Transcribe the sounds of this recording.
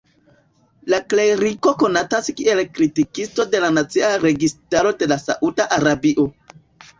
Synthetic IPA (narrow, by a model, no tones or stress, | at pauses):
lakleɾiko̞ko̞nataskie̞lkɾitikisto̞de̞lanat͡siaɾe̞ɡistaɾo̞de̞lasa̰ʔudaʔaɾabiʔo̞